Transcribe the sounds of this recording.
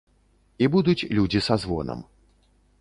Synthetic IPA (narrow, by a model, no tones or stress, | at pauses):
ibud̪ut͡sʲlʲud͡zʲisazvɔ̰nɐ̰m